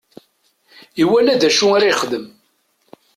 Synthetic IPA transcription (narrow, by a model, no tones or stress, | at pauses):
iwælæd̪æʃuaɾajχd̪əm